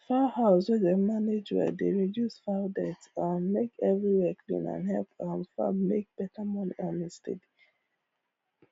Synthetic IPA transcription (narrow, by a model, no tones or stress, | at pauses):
fahaʊswɛðemaned͡ʒwɛ̰dḛɹidjusfadɛtamekʰɛvɹiwɛkʰlḭ̃nã̰nhɛlpãnfa̰mek̚b̥ɛtʰəmɔnḭʔɔ̃ndistʰḛdi̥